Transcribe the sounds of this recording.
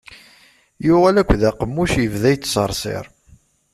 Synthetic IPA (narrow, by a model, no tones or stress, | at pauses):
jʊʁælækʷːðæqəmːuʃjəvðæjt͡s̪ːsəɾˤsˤḛɾˤ